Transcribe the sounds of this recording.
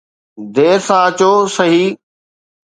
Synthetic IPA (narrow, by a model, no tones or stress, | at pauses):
d̪eːsãːət͡ɕoːsəɦiː